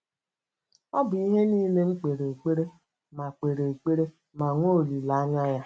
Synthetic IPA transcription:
ɔ˦bʊ˨i˦ɦe˦niː˦le˦ŋ͡m̩˦k͡pe˨ɾe˨e˨k͡pe˦ɾe˦ | ma˨k͡pe˨ɾe˨e˨k͡pe˦ɾe˦ | ma˨ŋʷo˦˨li˨la˨a˦ɲa˦ja˦

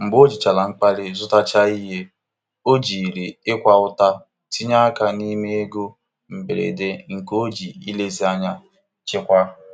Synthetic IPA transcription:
ŋ͡m̩˨ɡ͡bo˦d͡ʒi˨t͡ʃa˨la˨ŋ͡m̩˦k͡pa˦lɪ˦zʊ˦ta˦t͡ʃa˦i˦ɦe˦ | o˦d͡ʒi˨ɾi˨ɪ˦kʷa˦ʊ˦ta˦ | ti˦ɲa˦ka˨ni˦me˦e˦ɡo˦ | m̩˨be˨ɾḛ˨de˦ŋ̩˨ko˦d͡ʒi˨i˦le˦zi˦a˦ɲa˦ | t͡ʃɪ˦kʷa˦

